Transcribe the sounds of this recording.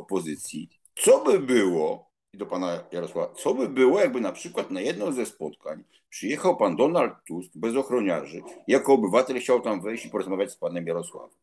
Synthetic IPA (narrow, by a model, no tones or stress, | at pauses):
ɔpɔzɘt̪sʲji | t̪sɔbɘbɘwɔ | d̪ɔpanajaɾɔswavat̪sɔbɘbɘwɔjaɡ̚bɘnapʂɘkwat̪najɛd̪nɔ̃w̃zɛspɔt̪kaɲ | pʂɘjɛxawpand̪ɔnalt̪ːuskbɛzɔxɾɔɲaɾʐɘijakɔːbɘvat̪ɛlxt͡ɕawt̪amvɛjɕt͡ɕipɔɾɔzmavʲat͡ɕʲspanɛmjaɾɔswa̰vɛm